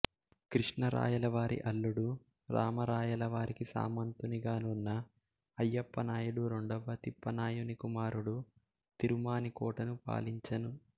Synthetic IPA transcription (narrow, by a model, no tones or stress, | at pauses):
kɾiʂɳɐɾa̰ːjɐlɐʋaːɾʔḭʔɐɭːuɽu | ɾaːmɐɾaːjɐlɐʋaːɾʔikisa̰ːmɐnt̪uniɡaːnunːɐ | ɐjːɐpːɐnaːjuɽuɾo̞ɳɖɐʋɐt̪ipːɐnaːjunikumaːɾuɽu | t̪iɾumaːnikɔːʈɐnupa̰ːliɲt͡ʃɐnu